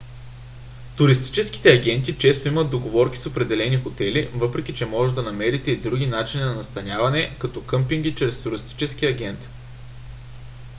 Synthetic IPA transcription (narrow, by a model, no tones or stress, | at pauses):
t̪ʊɾist̪i̥t͡ʃɛski̥t̪ɛɐɡɛnt̪it͡ʃɛst̪oiməd̪d̪oɡovɔɾki̥sopɾɛd̪ɛlɛnixot̪ɛlivɤpɾɛk̟ʲit͡ʃɛmɔʒɛd̪ɐnɐmɛɾit̪ɛid̪ɾuɡ̟ʲinat͡ʃininɐnɐst̪ɐnʲavɐnɛkɐt̪ɔkɤmpiŋɡʲit͡ʃɾɛst̪uɾist̪i̥t͡ʃɛskiɐɡʲɛnt̪